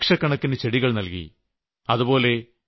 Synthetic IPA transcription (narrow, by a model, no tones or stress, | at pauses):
kʂɐkːɐɳɐkːinet͡ɕeɽiɣɐɭnɐlkḭ | ɐðubo̞ːle̞